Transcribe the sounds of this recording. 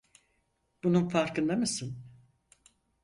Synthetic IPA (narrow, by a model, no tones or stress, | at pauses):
b̥ununfaɾkɯnd̪amɯsɯn